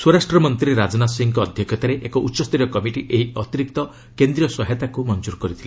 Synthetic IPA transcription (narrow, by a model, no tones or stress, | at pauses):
swɔɾasʈɾɔmɔnt̪ɾiɾeɾad͡ʒɔnasiŋkɔːd̪ʱjɔkʰjɔt̪aɾeʔekɔʔutːʃɔst̪ʰiɾjɔkɔmiʈiʔeɦiɔt̪iɾik̚t̪ɔ | kend̪ɾijɔsɔɦet̪akumɔnd͡ʒuɾɔkɔɾit̪ʰile